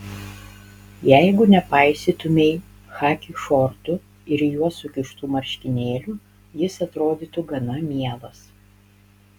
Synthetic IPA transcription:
jɛɪɡʊnʲɛpɑˑɪsʲɪt̪ʊmʲeɪ | xɑːkʲiʃɔɾt̪ʊ | ɪɾjuɔsʊkʲɪʃt̪uːmɐɾʲʃʲkʲɪnʲeːlʲu | jɪsɐt̪ɾoːd̪ʲiˑt̪ʊɡɐnɐmʲiɛlˠɐs

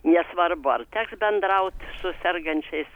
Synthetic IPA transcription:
nʲɛsʋɐrbʊɐ̰rt̪ʲæːksbʲɛnd̪ɾɐʊt̪ʲsʊsʲɛrɡɐnʲt͡ʃʲɛɪs

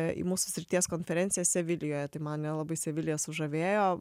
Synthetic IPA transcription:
ḭmuːsʊ̥sʲɾʲɪt̪ʲiɛskoːnʲfʲɛɾʲɛnt̪sʲɪjɛsʲɛʋʲɪlʲɪjoːjɛt̪ɐɪmɐnnʲɛlˠɐbɐɪsʲɛʋʲɪlʲɪjɛsʊʒɐʋʲeːjoː

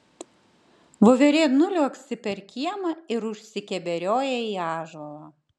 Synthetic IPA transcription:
ʋoːʋʲɛɾʲeːtnʊlʲuɐksʲɪpʲɛɾkʲiɛmɐɪɾʊʃʲsʲɪkʲɛbʲɛɾʲoːjɛiːɑːʒɔlˠɐː

